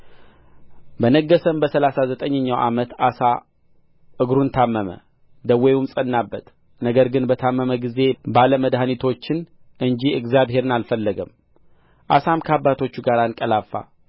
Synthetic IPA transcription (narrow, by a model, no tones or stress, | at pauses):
bənəɡːəsəmbəsəlasazət̪ʼəɲːəɲːawʔa̰mət̪asa | ʔɨɡɾunt̪ʰamːəmə̰ | d̪əwːeumsʼənːabːət̪ | nəɡəɾɡɨnbət̪ʰamːəməɡize̞baləməd̪hanit̪ʰo̞t͡ʃːɪn | ʔɨnd͡ʒiɨɡzjabɦe̞ɾɨnalfəlːəɡəm | ʔa̰samkʰəabːat̪ʰo̞t͡ʃːuɡaɾankʼəlafa̰